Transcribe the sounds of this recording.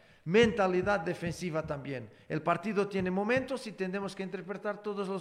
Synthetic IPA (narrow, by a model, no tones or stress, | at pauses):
mẽnt̪aliðaðd̪efẽnsiβat̪ambjen | elpaɾt̪iðot̪jenemomẽnt̪osit̪end̪emoskeint̪eɾpɾet̪aɾt̪oðozlo